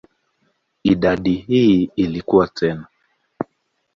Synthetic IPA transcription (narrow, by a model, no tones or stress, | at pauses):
iɗaɗihiilikuwatʰɛna